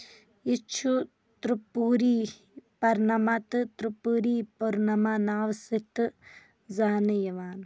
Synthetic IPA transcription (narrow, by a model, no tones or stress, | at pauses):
ɪt͡ʃʰu | t̪ɾupuːɾiː | pɐɾnɐmat̪t̪ɾupuɾiːpɐɾnɐmanaːʋsɪt̪ | zaːnjɐʋaːn